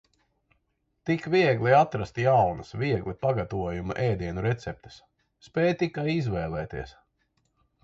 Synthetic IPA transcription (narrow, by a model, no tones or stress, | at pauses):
t̪ikviɛɡliat̪ɾast̪jawnɐsvʲiɛɡlˠipaɡat̪uɔjuma̰ʔɛːjd̪iɛnuɾɛt̪sɛp̚t̪e̥s | spɛːjt̪ikajizvɛːlˠɛːt̪iɛs